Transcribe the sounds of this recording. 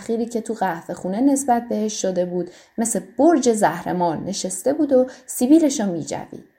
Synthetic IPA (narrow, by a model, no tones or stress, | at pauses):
χiːɾiːcʰe̞t̪ʰuɣæhve̞xuːne̞ne̞sbæt̪̚ʰbe̞heʃːod̪ebuːd̪ | me̞seb̥oɾd͡ʒe̞zæhɾe̞̰mɒːnːe̞ʃest̪e̞buːd̪o̞sibiːɾe̞ʃɒmiːd͡ʒæ̰vḭːd̪̥